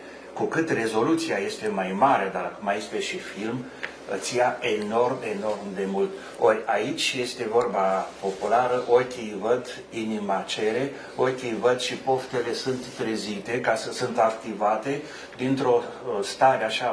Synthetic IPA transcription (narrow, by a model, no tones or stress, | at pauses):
kukɨt̪re̞zo̞lut̪siaje̞st̪e̞majmaɾe̞d̪amajest̪e̞ʃifilm | ət̪sijaʔeno̞rme̞no̞rmd̪e̞mult̪ | o̞rʲait͡ʃʲje̞st̪e̞vo̞rbapo̞pulaɾəʔo̞rkʲejvəd̪ | inimat͡ʃe̞ɾe̞ | o̞rkʲejvəd̪ʃipo̞ft̪e̞le̞sunt̪ːɾezit̪e̞kasəsunt̪akt̪ivat̪e̞ | d̪int̪ɾo̞st̪aɾeaʃa